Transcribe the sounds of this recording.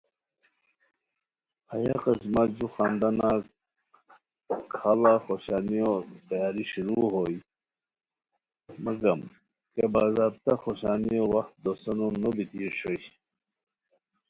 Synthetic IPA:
hɐja̰qismad͡ʑuxaːnd̪ana | kʰaːlaxoɕaːnijot̪ɐjaːɾiɕuɾuɦoi | mɐɡɐm | kebaːzaːb̚t̪axoɕaːniowɐxt̪̚d̪osɐnonobit̪iːɾɕoi

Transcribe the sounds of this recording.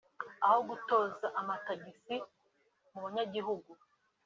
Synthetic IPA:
ahoɡutoːzaʔamataɡisi | muβaɲaɟiɦuɡu

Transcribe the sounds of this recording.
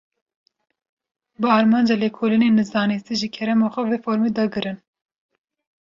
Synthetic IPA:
bɨɑːɾmɑːnd͡ʒaːlekʰoːlineːnɨzd̪ɑːnist̪iʒikʰɛɾɛmɑxʷɛveːfoːɾmeːd̪ɑɡɨɾɨn

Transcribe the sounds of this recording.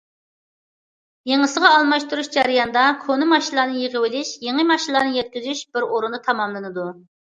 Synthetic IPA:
jeŋəsəʁɑːlˠmɑʃt̪uɾuʃd͡ʒæɾɨjɑnd̪ɑkʰonɪmɑʃilˠɑːnɨjeʁəwɪlɪʃjeŋəmɑʃilˠɑːnɨjɛt̪̚kʲizyʃb̥ɪɾoɾund̪ɨt̪ʰɑmɑmlˠɨnɨd̪u

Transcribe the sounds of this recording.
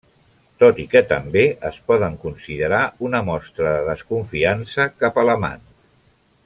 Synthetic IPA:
t̪ot̪ikət̪əmbeə̰spɔðəŋkunsiðəɾaunəmɔst̪ɾəðəðəskuɱfiansəkapələma̰n

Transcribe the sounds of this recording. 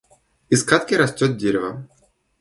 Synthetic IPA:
iskat̪kʲɪɾɐsʲtʲɔt̪̚dʲeɾʲɪvɐ̰

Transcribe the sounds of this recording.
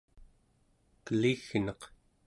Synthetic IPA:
kəliɣnʌq

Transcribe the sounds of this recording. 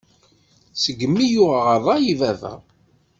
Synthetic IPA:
səɡːəmːijʊʁʁəðˤɑjivæðæ̰

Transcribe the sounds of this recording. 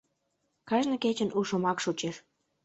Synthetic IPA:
kɑʒnɤ̆ket͡ɕə̆nʔuʃomɑkʃut͡ɕeʃ

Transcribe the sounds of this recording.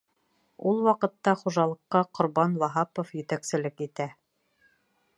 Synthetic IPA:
ulˠwɑqɤ̆t̪ːɑχuʒɑlˠɤ̆qːɑqŏɾbɑnlˠɑɦɑpŏfjɘ̆t̪æksɘ̆lɘkit̪æ

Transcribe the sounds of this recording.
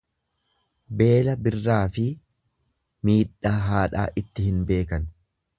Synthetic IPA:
be̞ːlɐbɪrːaːfɪ | miːᶑːaːɦaːᶑa̰ːʔɪt̪ːɪhɪnbe̞ːkɐn

